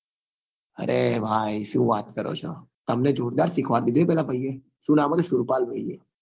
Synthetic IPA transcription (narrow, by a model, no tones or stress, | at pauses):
ə̰ɾʔebʱaːiʃũʋaːt̪kəɾo̰t͡ʃʰo̰t̪əmned͡ʒoːɾd̪aːɾsɪkʰʋaɾd̪id̪ʋepɛːlapəie | ʃũnaːmot̪esʊɾpaːlbʱəieː